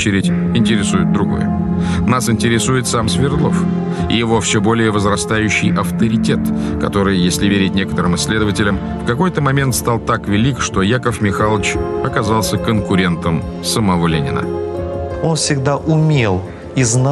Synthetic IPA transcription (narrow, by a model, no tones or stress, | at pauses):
t͡ɕɪɾʲɪtʲ | ɪnʲtʲɪɾʲɪsujɪd̪̚d̪ɾʊɡo̞̰j̰ | nasɪnʲtʲɪɾʲɪsujɪt̪samsʲvʲɪrd̪lˠof | ɪ̰jɪvo̞fsʲobo̞lʲɪjəvəzɾɐst̪ajʉɕːɪjʔɐft̪əɾʲɪtʲe̞t̪kɐ̰t̪o̞ɾɨjjesʲlʲɪvʲeɾʲɪt̚ʲnʲe̞kə̥t̪əɾɨmɨsʲːlʲe̞d̪əvətʲɪlʲəm | fkɐko̞jt̪əmɐmʲe̞nt̪st̪alˠt̪akvʲɪlʲikʂt̪o̞jakəfmʲɪxalˠət͡ɕɐkɐzalˠsʲəkənkʊɾʲe̞nt̪əm | səmɐvo̞lʲenʲɪ̰nə̰ | onfsʲɪɡd̪aʔʊmʲelˠ | izn